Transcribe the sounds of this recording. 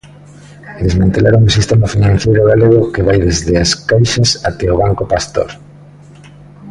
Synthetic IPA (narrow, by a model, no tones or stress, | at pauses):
d̪ezmãnt̪elaɾoŋusist̪emafinãn̟θejɾʊɣaleɣ̞okeβajðezðeaskajʃasat̪ɛoβaŋkopast̪o̰ɾ